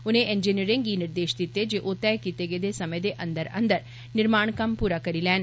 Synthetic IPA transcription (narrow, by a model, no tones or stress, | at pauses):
uneːʔend͡ʒiniɐɾeŋɡiniɾd̪eːʃt̪it̪ːed͡ʒeʔoːt̪ːaːjkit̪eɡed̪esɐmɐjɐd̪eʔɐnd̪ɐɾɐ̰nd̪ɐɾ | niɾmaːɳkɐmpuːɾakɐɾilɛːn